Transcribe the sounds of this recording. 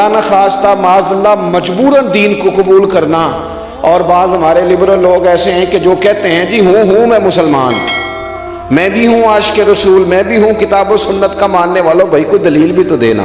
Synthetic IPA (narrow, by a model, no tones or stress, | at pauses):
aːnaxaːst̪amaːzd̪əlːamɐd͡ʒbuːɾənd̪iːnkoqʊbuːlkɐɾna | ɔːɾbaːzɦɐmaːɾelɪbɾəlːoːɡɛːseɦɛ̃ked͡ʒoːkɛɦt̪eɦɛ̃d͡ʒiɦũɦũmɛ̃mʊsəlma̰ːn | mɛ̃ːbʱiɦũaːʃkeɾɐsuːlmɛ̃ːbʱiɦũkɪt̪aːbosʊnːət̪kamãːnːeʋaːlõbʱɐikod̪ɐliːlbʱit̪od̪ḛːna̰ː